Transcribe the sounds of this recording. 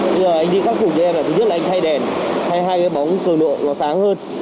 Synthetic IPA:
ɓə˧zəː˨˩ʔa˧jŋ̟ɗi˧xaː˦˥t̚fu˧˩t͡ɕɔ˧ʔɛ˧mlaː˨˩˨ɨ˦˥la˨ʔa˧ŋ̟tʰa˧jɗɛ˨˩nha˧jɦaː˧jkaː˨˦jɓa˨˦wŋ͡mkɨ˨˩əŋlo̰˧˨lɔ˨˩saː˨˦ŋhəː˧n

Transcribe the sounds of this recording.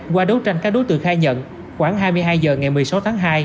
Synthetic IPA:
kwaː˧ɗo˨˦t͡ɕa˧jŋkaː˦˥k̚ɗo˨˦jt̪ɨ̰˧˨əkxaː˧jɲə̰˧˨n | xwaː˧˩ŋɦaː˧jmɨ˧jɦaː˧jzəː˨˩ŋa˨˩jmɨ˨˩əjsa˨˦wt̪ʰaː˨˦ŋɦaː˧j

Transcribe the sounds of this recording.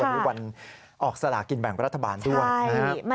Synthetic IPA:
a˧mu˦˥wa˧n | ʔɔː˨˩k̚sa˧la̰ː˩˦ki˧nbɛ˨˩ŋɾa˦˥t̪ʰːa˧baː˧ndu˥˩əjjna˦˧kʰa˦m˧

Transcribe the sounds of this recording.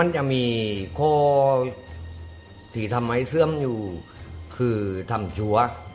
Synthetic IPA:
ma˧˥˨nt͡ɕa˧˩ʔmiː˧kʰɔː˧˩ | t̪ʰiː˨˩t̪ʰa˧˨mːa˧˥˩jsɯ˥˩əmjuː˨˩kʰɯː˧˩t̪ʰa˧˩mt͡ɕʰu˧˦ɐ

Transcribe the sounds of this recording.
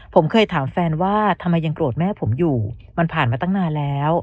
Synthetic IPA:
pʰo˩˦mkʰɤː˧jt̪ʰaː˩˦mfɛː˧nwaː˥˩t̪ʰa˧mːa˧jːa˧ŋk̪ɾu˨˩ət̪̚mɛː˥˩pʰo˩˦mjuː˨˩ma˧npʰaː˨˩nmaː˧t̪a˥˩ŋnaː˧nlɛː˦˥w

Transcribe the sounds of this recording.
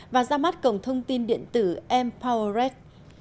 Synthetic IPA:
vaː˨˩zaː˧ma˦˥t̚kə˨˩wŋ͡mt̪ʰə˧wŋ͡mt̪i˧nɗḭ˧˨ənt̪ɨ˧˩ʔɛ˧mpʰa˧wzɛ˦˥t̚

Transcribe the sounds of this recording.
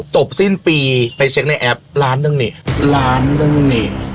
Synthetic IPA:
t͡ɕo˨˩p̚si˥˩npiː˧pa˧jt͡ɕʰe˦˥k̚na˧jʔɛ˦˥p̚laː˦˥nːɯ˧ŋni˨˩laː˦˥nːɯ˧ŋni˨˩

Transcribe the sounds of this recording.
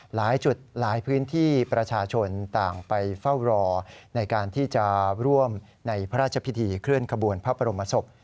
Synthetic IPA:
laː˩˦jt͡ɕu˨˩t̪̚laː˩˦jpʰɯː˦˥nt̪ʰiː˥˩pɾa˧t͡ɕʰaː˧t͡ɕʰo˧nt̪aː˨˩ŋpa˧jfa˥˩wɾɔː˧na˧jkaː˧nt̪ʰiː˥˩t͡ɕa˨˩ɾu˥˩əm | na˧jpʰa˦ɾaː˥˩t̪̚t͡ɕʰa˧pʰi˦˥t̪ʰiː˧kʰɾɯ˥˩ənkʰa˧bu˧ənpʰaː˦˥˩pʰa˧ɾo˧mːa˧so˨˩p̚

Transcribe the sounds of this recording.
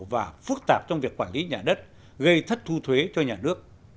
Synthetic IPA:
vaː˨˩fɨ˦˥k̚t̪aː˨˩p̚t͡ɕɔ˧wŋ͡mvi˨˩əkːwaː˧˩nli˨˦ɲaː˨˩ɗə˦˥t̚ | ɣə˧jt̪ʰə˦˥t̚t̪ʰu˧t̪ʰwe˨˦t͡ɕɔ˧ɲaː˨˩nɨ˦˥ək̚

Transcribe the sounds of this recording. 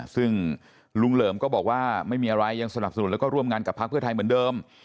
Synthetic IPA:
sɯ˥˩ŋ | lu˧ŋlɤː˩˦mkɔː˥˩bɔː˨˩k̚waː˥˩ma˥˩jmiː˧ʔa˧ɾa˧jːa˧ŋsa˧na˨˩p̚sa˧n˨˩˦nlɛ˦˥kɔː˥˩ɾu˥˩əmŋaː˧nka˨˩pʰːa˦˥k̚ʰɯ˥˩t̪ʰa˧jmɯ˩˦ndɤː˧m

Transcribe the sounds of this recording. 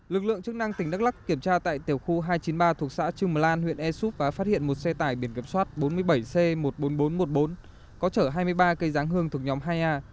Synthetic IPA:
lɨ˨˩k̚lɨ̰˧˨əŋt͡ɕɨ˦˥k̚na˧ŋt̪ï˩ŋ̟ɗə˦˥k̚la˦˥kːi˧˩əmt͡ɕaː˧t̪a̰ː˧˨jt̪i˨˩əwxu˧ɦaː˧jt͡ɕi˨˦nɓaː˧t̪ʰu˨˩ək̚sa̰ː˧˥t͡ɕɨ˧ŋməː˨˩laː˧nhwḭ˧˨ənʔɛ˧su˦˥p̚vaː˨˩faː˦˥t̚hḭ˧˨ənmo˨˩t̚sɛ˧t̪aː˧˩jɓi˧˩ənki˧˩əmswaː˦˥t̚ɓo˨˦nmɨ˧əjɓə˧˩jse˧mo˨˩t̚ɓo˨˦nɓo˨˦nmo˨˩t̚ɓo˨˦n | kɔ˨˦t͡ɕəː˧˩ɦaː˧jmɨ˧əjɓaː˧kə˧jzaː˨˦ŋɦɨ˧əŋt̪ʰɨ˨˩ə˩k̚ɲɔ˨˦mɦaː˧jʔaː˧

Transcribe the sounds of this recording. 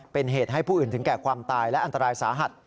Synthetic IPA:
pe˧nɦeː˨˩t̪̚ɦa˥˩jpʰuː˥˩ʔɯː˨˩nt̪ʰɯ˩˦ŋkɛː˨˩kʰwaː˧mt̪aː˧jlɛ˦˥ʔa˧nt̪a˧ɾaː˧jsaː˩˦ɦa˨˩t̪̚

